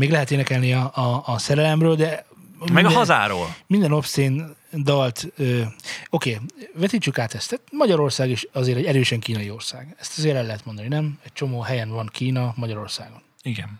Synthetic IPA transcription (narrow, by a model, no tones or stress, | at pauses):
meːɡlɛɦɛt̪eːnɛkɛlniɒɒːsɛɾɛlɛmrøːld̪ɛ | mɛɡɒɦɒza̰ːɾo̰ːlmind̪ɛno̞pst̪eːnd̪ɒlt̪øo̞keːvɛt̪iːt͡ʃːykaːt̪ɛst̪ɛt̪mɒɟɒɾo̞rsaːɡiʃɒzeːɾɛɟɛɾøːʃɛŋkiːnɒjio̞rsaːɡɛst̪ɒzeːɾɛlːɛɦɛt̪mo̞nd̪ɒninɛmɛc̚t͡ʃo̞moːɦɛjɛnvɒnkiːnɒmɒɟɒɾo̞rsaːɡo̞niɡɛ̰n